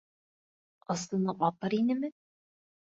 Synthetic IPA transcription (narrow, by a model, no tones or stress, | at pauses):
ɤ̆st̪ɤ̆nɤʔɒp̪ɤɾinɘ̆mɘ